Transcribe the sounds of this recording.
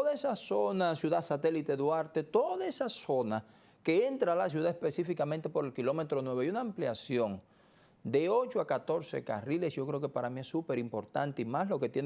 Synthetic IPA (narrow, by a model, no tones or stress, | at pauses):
oðaesaso̞nasjuðasat̪e̞lit̪eðwaɾt̪e̞t̪o̞ðaesaso̞na | ke̞e̞nt̪ɾalas̬juðaespe̞sifikamẽnt̪e̞po̞ɾe̞lkilo̞me̞t̪ɾo̞nwe̞βjunaːmpljasjo̞ŋ | d̪e̞o̞t͡ʃoakat̪o̞ɾsḛka̰rile̞sʝ̥o̞kɾe̞okepaɾamie̞sːupe̞ɾimpo̞ɾt̪ant̪eimaslo̞ke̞t̪jen